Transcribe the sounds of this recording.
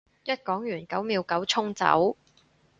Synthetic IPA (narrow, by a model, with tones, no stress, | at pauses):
jɐ˥t̚kɔː˨˥ŋjyː˨˩nkɐ˨˥wmiː˨˧wkɐ˨˥wt͡sʰʊ˥ŋt͡sɐ̰˨˥w